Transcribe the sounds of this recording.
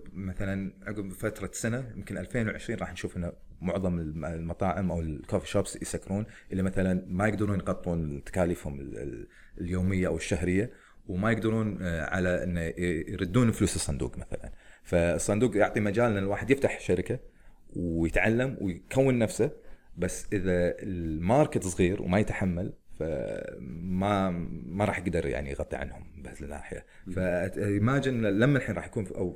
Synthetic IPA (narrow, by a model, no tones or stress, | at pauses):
maθalanʕʊɡmfat̪ɾˤɑsanajɪmkɪnʔalfeːnwʕɪʃɾiːnˤɑːħnʃuːfʔɪnːa | mʊʕðˤɑmɪlmɑt̪ˤɑːʕɪmʔawlkofiʃobsjsakːɾuːnʔɪlːimaθalanmajɪɡd̪ɑɾuːnjɣɑt̪ˤːuːnt̪ḁkaːlifhʊmɪ̰ | ljoːmɪjːaʔawɪʃːahɾɪjːa | wmajɪɡd̪ɑɾˤuːnʕa̰laʔɪ̰nːajɾɨd̪ːuːnfluːsɨsˤːɑnd̪ṵːqmaθa̰la̰nfasˤːɑnd̪uːqjʊʕt̪ˤimad͡ʒaːlɪnɪlwaːħɪd̪jɪft̪aħʃaɾɪkawjɪt̪ʕalːamwɪjkawːanːafsabasːʔɪðaɪlmɑːɾˤkɪt̪sˤɣiːɾwmajɪt̪ħamːalfa̰ | mamaɾˤɑːħjɪɡd̪ɑɾˤja̰ʕnḭjɣɑt̪ˤːḭʕa̰nhʊmbasɪnːa̰ːħɪja̰ | fajmaːd͡ʒɪlamːalħiːnɾˤɑːħjakuːnʔaw